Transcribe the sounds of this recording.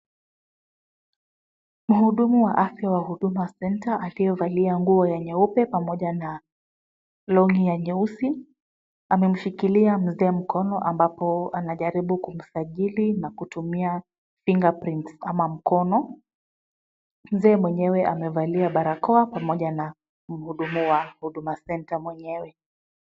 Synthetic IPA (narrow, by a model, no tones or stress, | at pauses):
m̩huɗumuwaʔafjawahuɗumasɛntaʔalijɔvaliaŋɡuɔjɛɲɛupɛpamɔʄana | lɔŋijaɲɛusi | amɛm̩ʃikiliam̩zɛːm̩kʰɔnɔʔambapɔanaʄaɾiɓukum̩saʄilinakutumia | fiŋɡapɾintsamam̩kɔnɔ | m̩zɛːmwɛɲɛwɛʔa̰mɛvaliaɓaɾakɔapamɔʄana | m̩huɗumuwahuɗumasɛntamwɛɲɛwɛ